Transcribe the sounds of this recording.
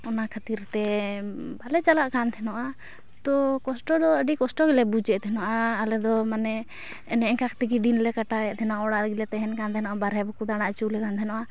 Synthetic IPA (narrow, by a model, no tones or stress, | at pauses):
ɔnakʰat̪iɾt̪ɛ | balɛt͡ʃalaʔkant̪ʰɛnɔʔa | t̪ɔkɔsʈɔd̪ɔəɖikɔsʈɔɡɛlɛbud͡ʒɛʔt̪ʰɛnɔʔaːlɛd̪ɔmanɛ | ɛnɛʔɛŋkakt̪iɡid̪inlɛkaʈaɛʔt̪ʰɛnaʔaɔɽaʔɾɡilɛt̪ɛɦɛnkant̪ʰɛnɔʔabaɾɛbɔkud̪aɽ̃aʔt͡ʃulɛkant̪ʰɛnɔʔa